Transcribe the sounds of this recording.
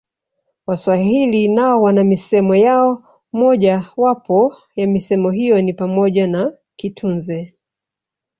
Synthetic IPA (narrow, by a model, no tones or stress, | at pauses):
waswaɦilinaɔwanamisɛmɔjaɔ | mɔʄawapɔ | jamisɛmɔɦijɔnipamɔʄana | kitʰunzɛ